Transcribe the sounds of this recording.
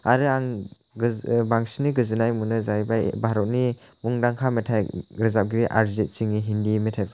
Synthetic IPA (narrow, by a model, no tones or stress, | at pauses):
aɾɯaŋ | baŋsiniɡɯzɯnajmunɯzajbajbaɾɔt̚ni | buŋdaŋkʰametʰajɾɯzap̚ɡɾiʔa̰ɾzet̚t͡ʃiŋiɦindimetʰajpʰa